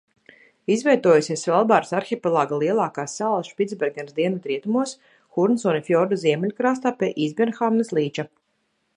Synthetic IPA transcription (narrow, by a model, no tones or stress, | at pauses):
izvʲɛjt̪uɔjusʲiɛsvʲɛlˠbaːɾsaɾxʲipʲɛlˠaːɡalˠiɛlˠaːkaːsːalˠsʃpʲid̪zbʲɛɾɡʲɛnsd̪iɛnut̪ɾiɛt̪umuɔs | xuɾnsɔːnifjɔːɾd̪uziɛmʲɛlʲukɾaːst̪aːpʲɛʔizbʲɛnxaːmnɨslˠiːt͡ʃa